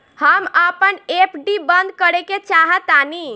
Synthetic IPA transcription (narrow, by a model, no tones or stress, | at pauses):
həməpənepʰɖibənd̪̚kəɾeket͡ʃaɦət̪ani